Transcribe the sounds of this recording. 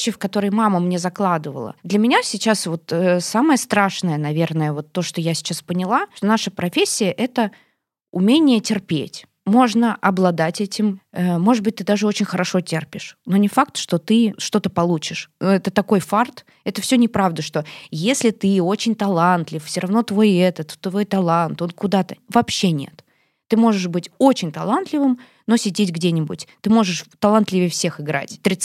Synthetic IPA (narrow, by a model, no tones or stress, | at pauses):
t͡ɕːɪfkɐt̪o̞ɾəjmaməmnʲezɐklˠad̪ɨvə̰lˠə̰d̪lʲəmʲɪnʲasʲɪt͡ɕasvo̞t̪əsaməjəst̪ɾaʂnəjənɐvʲe̞rnəjəvo̞t̪ːo̞ʂt̪ojasʲɪ̥t͡ɕaspənʲɪlˠaʂt̪onaʂəpɾɐfʲesʲːɪjəʔɛt̪ə | ʊmʲenʲɪjətʲɪrpʲḛtʲ | mo̞ʐnəʔɐblˠɐd̪atʲɛtʲɪməmo̞ʐɨt̪̚bɨt̚ʲt̪ɨd̪aʐɨo̞t͡ɕɪnʲxəɾɐʂo̞tʲerpʲɪʂno̞nʲɪfak̚t̪ʂt̪o̞t̪ɨʂt̪o̞t̪əpɐlˠut͡ɕɪʂɛt̪ət̪ɐko̞jfart̪ | ɛt̪əfsʲɵnʲɪpɾavd̪əʂt̪o̞jesʲlʲɪt̪ɨo̞t͡ɕɪnʲt̪ɐlˠant̪lʲɪffsʲoɾɐvno̞t̪vo̞jɛt̪ət̪t̪vo̞jt̪ɐlˠant̪o̞nkʊd̪at̪əvɐpɕːenʲe̞̰t̪ː | ɨmo̞ʐɨʂbɨtʲo̞t͡ɕɪnʲt̪ɐlˠant̪lʲɪvɨm | no̞sʲɪdʲetʲɡdʲenʲɪbʊ̰tʲt̪ɨmo̞ʐɨʂt̪ɐlˠant̪lʲɪvʲɪjəfsʲe̞xɨɡɾa̰tʲt̪ːɾʲɪ